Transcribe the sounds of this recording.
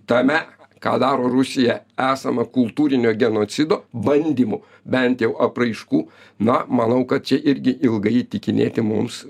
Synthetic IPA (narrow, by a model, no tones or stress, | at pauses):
t̪ɐmʲɛkɑ̰ːd̪ɑːɾoːɾʊsʲɪjɛæːsɐmɐkʊlˠt̪uːɾʲɪnʲoːɡʲɛnoːsʲɪd̪oːbɐnʲd̪ʲiːmʊ | bʲɛnt̪jɛʊʔɐprɐɪʃkuː | nɐmɐnɐʊkɐt̪̚t͡ʃʲɛʔɪɾʲɡʲɪʔɪlˠɡɐɪt̪ʲɪkʲɪnʲḛːt̪ʲɪmʊms